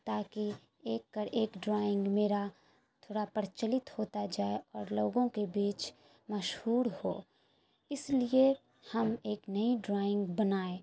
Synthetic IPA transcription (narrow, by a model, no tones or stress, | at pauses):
t̪aːki | eːkːəɾʔeːkɖɾaːɪ̃ŋɡmeːɾa | tt̪ʰoːɽapəɾt͡ʃəlɪt̪hoːt̪ad͡ʒaːeɔːɾloːɡõkebiːt͡ʃ | mɐʃhuːɾho̰ː | ɪslie | hɐmeːknɐiɖɾaːɪ̃ŋɡbɐnaːe